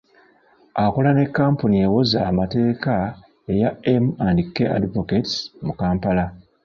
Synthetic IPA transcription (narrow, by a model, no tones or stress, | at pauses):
akolane̞kːaːmpuniewozaːmate̞ːka | e̞jaemandikːeʔa̰divoketmukaːmpala